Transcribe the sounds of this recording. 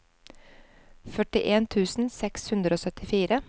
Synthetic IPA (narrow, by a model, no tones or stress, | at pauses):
fœʈɪʔeːnt̪ʰʉːsn̩sɛkshʉnd̪ɾoːsœt̪ɪfiːɾə